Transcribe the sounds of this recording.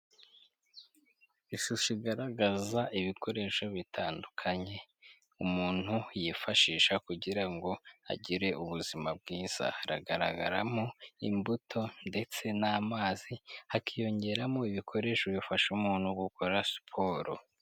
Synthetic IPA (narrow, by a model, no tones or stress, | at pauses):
iʃuʃiɡaɾaɡazaʔiβikʰo̞ɾe̞ʃo̞βitʰaːndukʰaɲe̞ | umuːn̥hujifaʃiːʃakuɟiɾaŋɡo̞a̰ɟiɾe̞ʔuβuzimab̚ɡiːz̥a̰ɾa̰ɡaɾa̰ɡa̰ɾamoimbutʰo̞nde̞t͡se̞naːmaːzihakʰijo̞ɲɟe̞ɾamoiβikʰo̞ɾe̞ːʃoβifaʃumuːn̥huɡukʰoɾaspʰo̞ːɾo̰